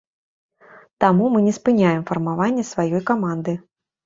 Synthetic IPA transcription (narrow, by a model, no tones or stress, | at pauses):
t̪amumɨnʲɛspɨnʲajɛmfɐrmavanʲːɛsvajɔjkamand̪ɨ